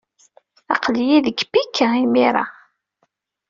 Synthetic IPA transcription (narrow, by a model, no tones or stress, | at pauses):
ɑ̰qlijiðəkːbikʰːaimiɾˤɑ̰